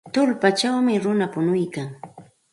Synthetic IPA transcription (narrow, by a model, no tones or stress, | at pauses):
t̪ʊlpat͡ʃawmɪɾʊnapʊnʊjkaŋ